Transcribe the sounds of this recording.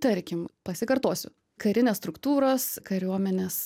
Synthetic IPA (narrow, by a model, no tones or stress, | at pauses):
t̪ɐɾʲkʲɪmpɐsʲɪkɐɾt̪oːsʲʊ̰ | kɐɾʲɪnʲeːsst̪ɾʊkt̪uːɾoːskɐɾʲuɔmʲɛnʲeːs